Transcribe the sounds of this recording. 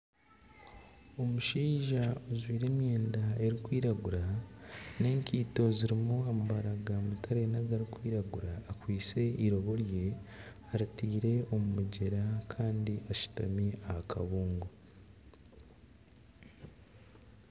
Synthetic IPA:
o̞muʃiːʒaozwiːɾe̞ːmje̞ːndae̞ɾikwiːɾaɡuɾa | ne̞ːŋkiːto̞ziɾimuamaβaɾaɡamutʰaɾenaɡaɾikwiːɾaɡuɾaːkwiːt͡se̞iɾo̞βo̞ɾje̞ | aɾitiːɾe̞o̞mumuɟeɾakʰaːndiʔaʃu̥ta̰miahakʰa̰βuːŋɡo

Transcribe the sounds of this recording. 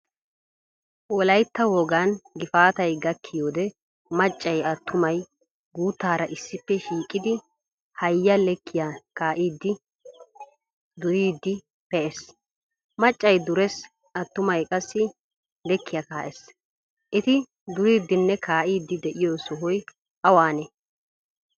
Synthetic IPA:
ʔɔlɐjt̪ːɐwoːɡanɡɪfaːt̪ɐjɡɐkʰːɪjoːd̪ɛ | mɐt͡ʃʼːɐjɐt̪ːʊmɐj | ɡuːt̪ːaːɾɐʔɪsːɪpːɛʃiːkʼːɪd̪ɪ | hɐjːɐlɛkʰːɪjakaːʔiːd̪ːɪ | d̪ʊɾiːd̪ːɪ | pɛʔɛs | mɐt͡ʃʼːɐjd̪ʊɾɛs | ɐt̪ːʊmɐjkʼɐsːɪ | lɛkːɪjɐkaːʔɛs | ʔɪt̪ɪ | d̪ʊɾiːd̪ːɪnːɛkaːʔiːd̪ːɪd̪ɛʔɪjoːsʊɦɔj | ʔɐwaːnɛ

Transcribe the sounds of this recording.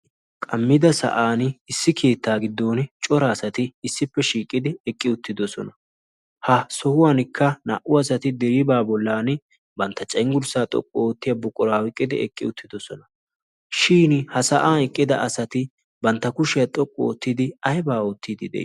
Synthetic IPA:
kʼɐmːɪd̪ɐsɐ̰ʔaːnɪsːɪkʰe̞ːt̪ːaːɡɪd̪ːo̞ːnt͡ʃʼɔɾɐːsɐt̪ɪːsːɪpːɛʃiːkʼːɪd̪ɪɛkʼːɪʊt̪ːɪd̪ɔsɔ̰nɐ | hɐsɔhʊwaːnkʰːɐna̰ʔʊɐs̬ɐt̪ɪd̪ɛɾibaːbɔlːaːn | bɐnt̪ːɐt͡ʃʼɐŋɡʊlsaːt̪ʼɔ̰kʼːɔoːt̪ːɪjɐbɔkʼːɔɾaːwɪkʼːɪd̪ɪɛ̰kʼːɪ̰ʊt̪ʰːɪd̪ɔsɔnɐ | ʃiːnhɐsɐʔaːɛkʼːɪd̪ɐʔɐsɐt̪ɪ | bɐnt̪ːɐkʊʃɪjɐt̪ʼɔkʼːɔoːt̪ːɪd̪ɪɐjbaːo̞ːt̪ːiːd̪ɪd̪ɛ̰

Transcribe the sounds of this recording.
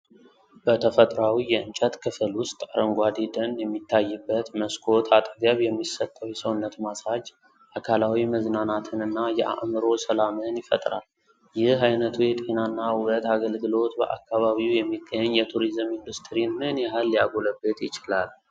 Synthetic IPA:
b̥ət̪ʰəfət̪ʼɾawijɛɨnt͡ʃʼət̪kʰɨfɨlwʊst̪ʼaɾəŋɡʷad̪id̪ənjɛmːit̪ʰːajːɨbːət̪məskʰo̞t̪ʰat̪ʼəɡəβjɛmːisət̪ʼːəwjɛsəwʊnːət̪masad͡ʒ | ʔakʰalawiməznanat̪ʰɨnɨnːajɛʔa̰ʔmɨɾo̞səlamɨnjɪfə̰t̪ʼɾa̰l | jɪɦajnət̪ʰujɛt̪ʼe̞nanːawʊɾət̪aɡəlɡɨlo̞t̪bə̰ʔa̰kʰːaβaβiwujɛmːiɡːəɲːjɛt̪ʰuɾizɨmind̪ust̪ʰɾinɨnjɛɦalːija̰ɡoləbːet̪jɪt͡ʃɪlal

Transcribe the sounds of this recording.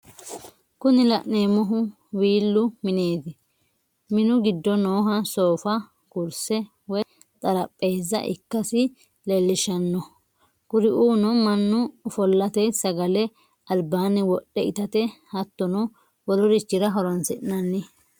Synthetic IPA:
kʊnɪlɐʔneːmɔɦʊ | wiːlːʊmɪneːd̪ɪ | mɪnʊɡɪd̪ːɔnoːɦɐso̞ːfɐ | kʊɾsɛ | wɔj | t͡sʼɐɾɐpʼːe̞ːzːɐ̰ʔɪ̰kːɐsɪ | lɛlːɪʃɐnːɔ | kʊɾɪʔuːnɔmɐnːʊfɔlːɐt̪esɐɡɐlɛ | ɐlbaːnɛwɔɗːɛɪt̪ɐt̪ɛhɐt̪ːɔnɔ | wɔlɔɾɪt͡ʃːɪɾɐɦɔɾɔnsɪʔnɐnːɪ

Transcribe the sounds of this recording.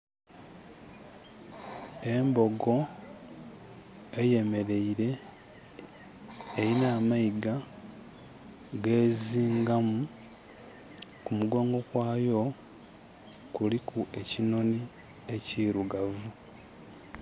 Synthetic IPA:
e̞mbo̞ɡo̞ | eje̞me̞ɾe̞iɾe̞ | jinaːmaiɡa | ɡe̞ːziːŋɡamu | kumuɡo̞ːŋɡo̞kwaːjo̞ | kulikʰuʔe̞cino̞ni | e̞ciɾuɡavu

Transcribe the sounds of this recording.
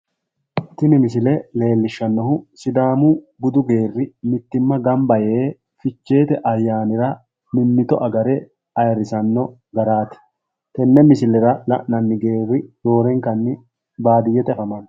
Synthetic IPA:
t̪ɪnɪmɪs̬ɪlɛle̞ːlːɪʃːɐnːɔhʊsɪd̪aːmu | bʊd̪ʊɡe̞ːrːɪmɪt̪ːɪmːɐɡɐmbɐjeː | fɪt͡ʃːe̞ːt̪ɛʔɐjːaːnɪɾɐ | mɪnːɪt̪ɔʔɐɡɐɾɛ | ɐjɐɾɪsɐnːɔ | ɡɐɾaːt̪ɪ̥ | t̪ɛnːɛmɪsɪlːɛɾɐlɐ̰ʔnɐnːɪɡe̞ːrːɪjo̞ːɾɛŋkɐnːɪ | baːd̪ɪjːɛt̪ɛɛfɐmɐn

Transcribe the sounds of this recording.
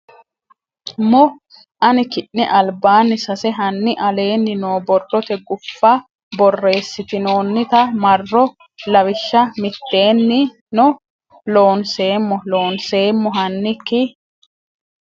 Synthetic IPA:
mɔ | ʔɐnɪkɪʔnɪʔɐlbaːnːɪsɐsɛɦɐnːɪʔɐle̞ːnːɪnoːbɔrːɔt̪ɛɡʊfːɐ | bɔrːe̞ːsːɪt̪ɪno̞ːnːɪt̪ɐmɐrːɔ | lɐwɪʃːɐmɪt̪ːe̞ːnːɪ | nɔ | lo̞ːnse̞ːmːɔlo̞ːnse̞ːmːɔɦɐnːɪkːɪ

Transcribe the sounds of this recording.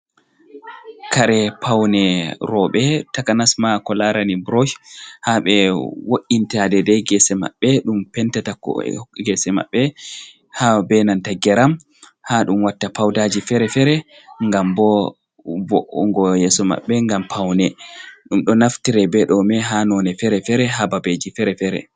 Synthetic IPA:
kaɾɛpʰawnɛɾɔɓɛtakanasmakɔlaɾanibɾoʃhaɓɛwoʔːintadɛdɛɡɛsɛma̰ɓːɛɗumpɛntatakɔ̰ɡɛsɛma̰ɓːɛ | habɛnantaɡɛɾam | haɗumwatːapawdad͡ʒifɛɾɛfɛɾɛ | ŋɡambɔ | bɔʔɔŋɡɔjɛsɔma̰ɓːɛŋɡampʰawnɛɗumɗɔnaftiɾɛbɛɗɔmɛɦanɔnɛfɛɾɛfɛɾɛɦababed͡ʒifɛɾɛfɛɾɛ̰

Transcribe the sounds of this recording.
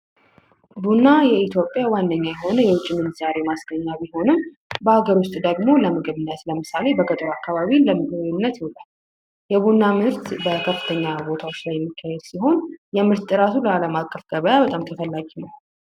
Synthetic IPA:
bunːajɛit̪ʰjo̞pʼːjawand̪əɲːajɛɦo̞nəjɛwʊt͡ʃʼːimɨnzaɾe̞masɡ̥əɲːabiho̞nɨm | bəaɡəɾwʊst̪ʼd̪əɡmo̞ləmɨɡɨβɨnːət̪ləmɨsale̞bəkʼət̪ʼɾoakːaβaβinləmɨɡɨbɨnːət̪jɛlal | jɛβunːamɨɾt̪bəkʰəfːɨ̥t̪ʰəɲːabo̞t̪ʰawo̞t͡ʃːlajɛmːikːahɛd̪siɦo̞njɛmɨɾt̪ʼːɨɾat̪ʰuləaləmakʼːəfɡ̥əβəjabət̪ʼamt̪ʰəfəlːaɡinəw

